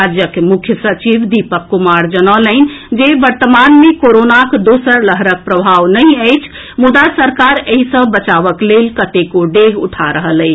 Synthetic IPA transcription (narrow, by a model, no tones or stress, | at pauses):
ad͡ʒjəkmukʰjəsət͡ʃiʋd̪ipəkːumaɾd͡ʒənələɪn̆d͡ʒebəɾt̪əmanmekoɾonakd̪osəɾləɦɾək̚pɾəbʱaʋnəjəjt͡ʃʰ | mud̪asəɾkaɾəɦisə̃bət͡ʃaʋəklelkət̪ekoɖeɡṵʈʰaɾəɦələ